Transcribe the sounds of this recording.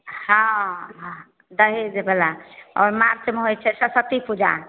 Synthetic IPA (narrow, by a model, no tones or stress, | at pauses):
hãɦ | d̪əɦed͡ʒebelaɔ̰ːɾmaɾt͡ʃemeɦojt͡ʃʰɛsəsət̪ipud͡ʒa̰